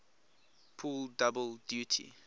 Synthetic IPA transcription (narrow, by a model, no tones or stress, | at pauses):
pʰuldabəldjutʰḭ